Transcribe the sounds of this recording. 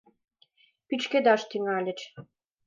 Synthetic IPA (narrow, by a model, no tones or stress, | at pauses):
pyt͡ʃked̪ɑʃt̪iŋɑlʲɘ̆t͡ɕ